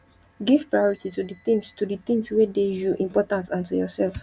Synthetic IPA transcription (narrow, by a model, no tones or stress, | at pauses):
ɡiv̥pɹajɔɹititudit̪ĩŋstudit̪ĩŋswedejuʔĩmpɔtãnsãntujɔsɛlf